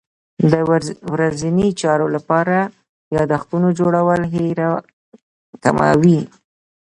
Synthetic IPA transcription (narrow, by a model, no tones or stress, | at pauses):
d̪əwɾazinit͡ʃɑɾolapɑɾa | jɑd̪axt̪unod͡ʒoɽawəlɦeɾa | k̪a̰ma̰wi